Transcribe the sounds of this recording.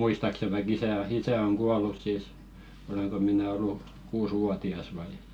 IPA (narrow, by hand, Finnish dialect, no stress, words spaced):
muistɑkse ʋɑik isæ o isæ oŋ kuɑlˑus siˑs oleŋko mĭnæ olːu kuːswuɑtiɑs ʋɑi